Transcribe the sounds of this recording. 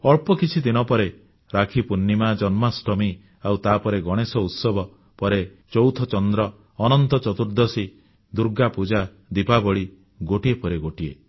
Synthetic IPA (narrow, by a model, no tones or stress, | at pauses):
ɔɭpɔkit͡ʃʰid̪inɔpɔɾe | ɾakʰipunːimad͡ʒɔnmasʈɔmi | awt̪apɔɾeɡɔɽ̃esɔut̪sɔbʱɔ | pɔɾe | t͡ʃɔwt̪ʰɔt͡ʃɔnd̪ɾɔː | nɔnt̪ɔt͡ʃɔt̪uɾd̪ɔsi | d̪uɾɡapud͡ʒa | d̪ipabɔɭi | ɡoʈiepɔɾeɡoʈie